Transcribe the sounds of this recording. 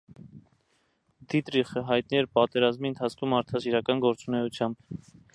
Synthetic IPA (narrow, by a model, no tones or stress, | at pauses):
d̪it̪ɾiχəɦɑjt̪niɛɾpɑt̪ɛɾɑzmiənt̪ʰɑt͡sʰkʰumɑɾt̪ʰɑsiɾɑkɑnɡɔɾt͡sunɛjut͡sʰjɑmb